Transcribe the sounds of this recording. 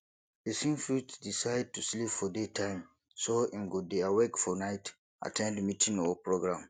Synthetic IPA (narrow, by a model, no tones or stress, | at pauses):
besĩŋfɹutsdisaɪd̚tuslipfɔdetʰãɪ̃m | soĩnɡodeawekfɔnaɪt | a̰tʰɛ̃ndmitʰĩŋɔɔpɹoɡɹãm